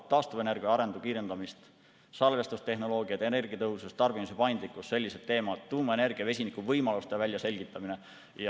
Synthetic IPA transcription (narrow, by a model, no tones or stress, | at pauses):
t̪ɑːst̪uvene̞rɡ̥iɑɑɾe̞nd̪̥ukiːɾe̞nd̪̥ɑmist̪ | sɑlve̞st̪ust̪e̞hɦno̞lo̞ːɡ̥iɑt̪ene̞rɡ̥iɑt̪ɤɦusust̪ɑrbimusepɑjnd̪likːˑusse̞lʲːiset̪ːe̞ːmɑt̪ːuːmɑene̞rɡ̥iɑve̞sʲinikˑuvɤjmɑlust̪evælʲjɑse̞lʲɡ̥it̪ːˑɑmine̞ | jɑ